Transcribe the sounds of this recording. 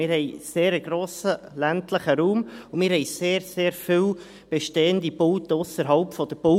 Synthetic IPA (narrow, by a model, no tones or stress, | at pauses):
mɪːɾhɛɪseːɾəɡ̥ɾoːsə | læntləχəɾuːmʊmɪːɾɦɛjseːɾseːɾfɪl | b̥ɛʃteːəndibʊltəʊsəɾɦɑlpfɔd̥̪əb̥o